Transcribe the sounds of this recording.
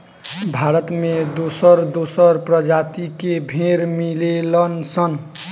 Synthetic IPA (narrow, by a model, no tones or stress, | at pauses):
bʱaɾət̪med̪osʌɾd̪osʌɾpɾʌd͡ʒat̪ikebʱeɾmilelʌnsʌn